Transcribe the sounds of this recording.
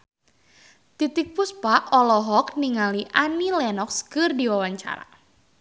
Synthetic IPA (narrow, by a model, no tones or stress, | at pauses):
t̪it̪ɪk̚pʊspaʔɔlɔɦɔkniŋaliʔanilɛnɔkskɨrdiwawaɲt͡ʃa̰ɾa̰